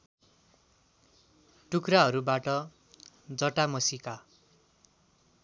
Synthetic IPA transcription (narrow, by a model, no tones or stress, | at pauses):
ʈukraɦʌɾubaʈʌ | d͡zʌʈamʌsika